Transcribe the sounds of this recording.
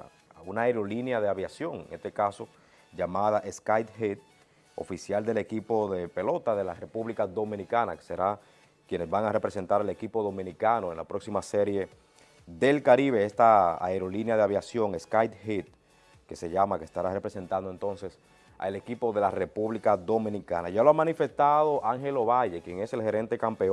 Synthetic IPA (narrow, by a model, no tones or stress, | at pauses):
unaeɾo̞linjaðeaβjasjo̞ŋḛŋest̪e̞kaso̞ | ʝamaðaʔe̞skajt̪hit̪̚ | o̞̰fisjald̪e̞le̞kipo̞ðe̞pe̞lo̞t̪aðe̞lare̞puβlikaðo̞mĩnikanake̥seɾa | kje̞ne̞zβaŋare̞pɾe̞se̞nt̪aɾele̞kipoðo̞mĩnikano̞enla̰pɾo̞ksimaseɾje̞ | ðe̞lkaɾiβe̞est̪aa̰eɾo̞linjaðeaβjasjo̞ŋeskajt̪̚hit̪̚ | ke̞se̞ʝamakest̪aɾare̞pɾese̞nt̪and̪oe̞nt̪o̞nse̞s | a̰ele̞kipo̞ðe̞lare̞puβlikaðomĩnikana̰ʝalo̞amãnife̞st̪aðo̞ʔaŋɦe̞lo̞βaʝe̞kje̞ŋe̞se̞lhe̞ɾe̞nt̪e̞kampe̞o